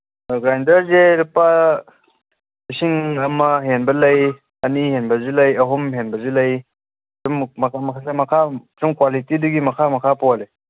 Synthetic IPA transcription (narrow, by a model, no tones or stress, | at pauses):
ɡɾajndɐɾzeɾipa | lisiŋɐmɐɦenbɐlɐj | ɐnihenbɐzulɐjɐɦumɦenbɐzulɐj | summɐkʰamɐkʰasamɐkʰatumkwalitiduɡimɐkʰamɐkʰapoale